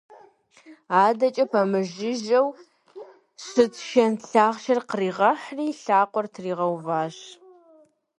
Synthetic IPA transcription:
aːdɐt͡ʃʼɐpʰɐmɨʒɪʒɐw | sɨtʰʃɐnɬaːʁʃɐrqəriːʁɐħriːɬaːqʷʼɔrtʰriːʁɐwvaːɕ

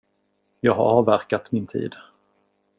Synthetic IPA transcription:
jɑːɡɦa̰ɾɑːvæɾkat̪mɪnt̪ʰḭːd̪

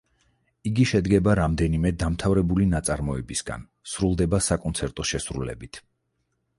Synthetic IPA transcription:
iɡiʃɛd̪ɡɛbaɾamd̪ɛnimɛd̪amt̪ʰavɾɛbulinat̪sʼaɾmɔɛbisɡa̰n | sɾulˠd̪ɛbasakʼɔnt̪sʰɛɾt̪ʼɔʃɛsɾṵlɛ̰bit̪ʰ

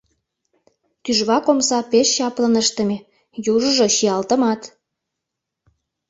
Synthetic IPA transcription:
t̪yʒβɑkomsɑpeʃːɑplənəʃt̪ə̆me | juʒəʒoʃiɑlt̪ə̆mɑt̪

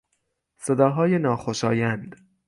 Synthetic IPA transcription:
se̞d̪ɒːɦɒːjenɒːxoʃɒːjænd̪̥

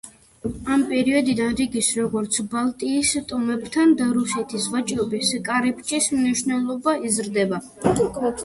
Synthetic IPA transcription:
ampʼɛɾiɔd̪id̪anɾiɡisɾɔɡɔɾt̪sʰbalˠt̪ʼiːst̪ʼɔmɛbt̪ʰand̪aɾusɛt̪ʰisvat͡ʃʼɾɔbiskʼaɾɛp̚ʰʼt͡ʃʼismniʃnɛlˠɔbaizɾd̪ɛba

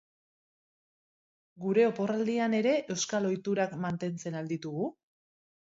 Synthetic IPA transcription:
ɡuɾe̞o̞po̞rald̪iane̞ɾe̞ʔe̞wskalo̞jt̪uɾakmant̪e̞nt͡se̞nald̪it̪uɣu

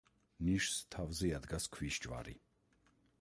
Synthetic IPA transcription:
niʃst̪ʰavziad̪ɡaskʰviʃt͡ʃʼva̰ɾḭ

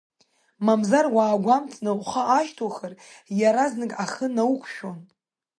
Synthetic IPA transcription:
mamzarwaːɡʷamt͡sʰʼnawχaʔːʃtʰoχərjaɾaznɨkʼaχənawkʷʰʃᶣon

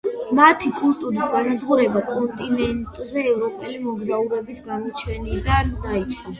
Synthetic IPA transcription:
mat̪ʰikʼult̪ʼuɾisɡanad̪ʁuɾɛbakʼɔnt̪ʼinɛnt̪ʼzɛːvɾɔpʼɛlimɔɡzauɾɛbisɡamɔt͡ʃʰɛnid̪ad̪ait̪sʼχa

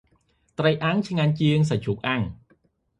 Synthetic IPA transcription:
t̪rəjʔaŋt͡ɕʰŋaɲt͡ɕiəŋsat͡ɕʰuk̚ʔaŋ

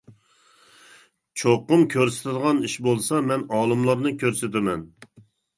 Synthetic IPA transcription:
t͡ʃʰoqːʊmkʲʰøɾsɪ̥t̪ʰɪd̪əʁɑniʃbolˠsɑmɛnɑːlˠɨmlˠɑɾnɨkʲʰøɾsɪt̪ʰɪmɛn

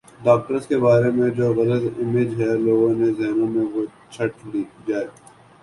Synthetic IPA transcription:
ɖaːk̚ʈəɾəskebaːɾemẽd͡ʒoːɣɐlət̪ɪmed͡ʒɦɛloːɡõnezɛɦnõmẽʋo | t͡ʃʰɐʈ̚t͡ʃʰʊɽid͡ʒaːeː

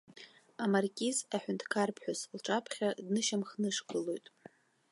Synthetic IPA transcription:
amarkʲʼizaħᶣʊntʰkʰarpʰħʷᶣʊslʈ͡ʂʼapʰχʲadnɨʃamχnɨʂkɨlojtʼ

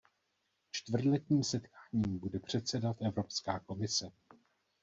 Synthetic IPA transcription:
t͡ʃt̪vr̩dlɛt̪ɲiːmsɛt̪kaːɲiːmbudɛpr̝̥ɛt̪sɛdat̪ʔɛvɾo̞pskaːko̞mɪsɛ

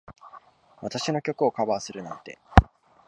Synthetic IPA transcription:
βat̪aɕino̞kʲo̞kɯ̟o̞kabaːsɨɾɯ̟nã̰nt̪e̞̰

